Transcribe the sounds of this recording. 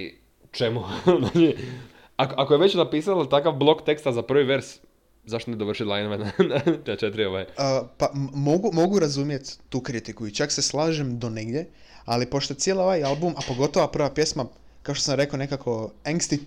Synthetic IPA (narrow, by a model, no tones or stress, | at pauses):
ḭ | t͡ʃemunaɲi | akoʔakojeʋet͡ɕnapiːsalat̪akaʋblˠo̞kt̪e̞kst̪azapr̩ʋiʋeɾs | zaʃt̪oned̪oʋɾr̩ʃit̪lˠajnoʋenanaat͡ʃet̪ɾioʋajeəpamo̞ɡumo̞ɡuɾazumjet̪ːuːkɾit̪ikuit͡ʃakse̞slˠaːʒemd̪o̞neɡd̪je | alipo̞ʃt̪ot̪sjelˠao̞ʋajalˠbumapo̞ɡo̞t̪o̞ʋapr̩ʋapje̞sma | kaot̪osamɾe̞kaone̞kakʰo̞aŋɡst̪i